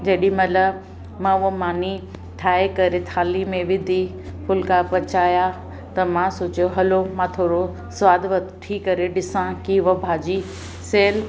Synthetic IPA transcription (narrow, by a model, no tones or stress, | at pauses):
d͡ʑɐɗĩmɐlɐ | mãːʊomaːni | ʈʰaːekɐɾet̪ʰaːlimẽʋɪd̪ʱi | pʰʊlkapɐt͡ɕaːja | t̪ɐmãsoːt͡ɕjoɦɐlomãːt̪ʰoːɾo | sʋaːd̪ʋɐt̪ʈʰikɐɾeɖɪsãkiʋɐbʱaːd͡ʑi | seːl